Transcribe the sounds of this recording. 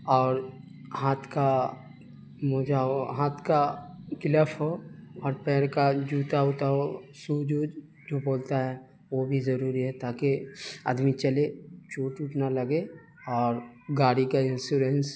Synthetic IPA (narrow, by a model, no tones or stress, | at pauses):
ɔːɾ | ɦaːt̪ʰka | moːd͡ʒaɦoɦaːt̪ʰkakɪləpʰɦoɔːɾpɛːɾkad͡ʒuːt̪aɦoʊt̪aɦosuːd͡ʒuːd͡ʒ | d͡ʒoːboːlt̪aɦɛ | ʋobʱizɐɾuːɾiɦɛt̪aːkeə̰d̪mit͡ʃɐlet͡ʃuːʈuʈnalɐɡe | ɔːɾɡaːɽikaɪ̃nsjuːɾens